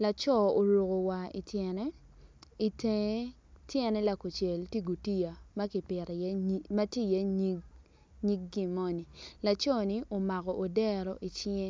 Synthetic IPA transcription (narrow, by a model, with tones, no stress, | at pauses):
la˨t͡ʃɔ˦˨o˨ɾo˨ko˨wa˨ḭ˨tjɛ˨nɛ˦ | i˨te˨˦ | tjɛ˨nɛ˦la˨ko˨t͡ʃjɛ˨lti˦ɡo˨ti˦ja˨ma˦ki˨pɪ˨ɾɛ˨jɛ˦ma˦tji˦jɛ˦ɲi˦ | ɲi˦k̚ɡi˦mɔ˦ni˨la˨t͡ʃɔ˦ni˨ʔo˨ma˨kɔ˨ʔo˨dɛ˦ɾɔ˨ʔi˨t͡ʃe˦